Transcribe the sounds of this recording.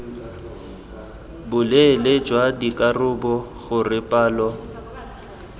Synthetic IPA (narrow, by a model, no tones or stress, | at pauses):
bʊleled͡ʒwadikʼarʊbɔɣʊrɪpʼaːlɔ